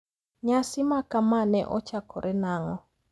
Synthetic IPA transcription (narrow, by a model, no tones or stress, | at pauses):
ɲasɪmakamanɛʔɔt͡ʃakʰɔɾʔɛnaŋɔ